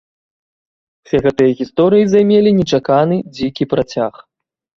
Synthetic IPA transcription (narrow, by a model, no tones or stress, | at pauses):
sʲɛɣɛt̪ɨjɐɣʲist̪ɔɾɨjizajmʲelʲinʲɛt͡ʂakanɨd͡zʲikʲipɾat͡sʲax